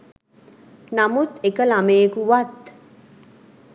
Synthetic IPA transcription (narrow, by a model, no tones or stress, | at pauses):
namut̪ekəlamejekuʋat̪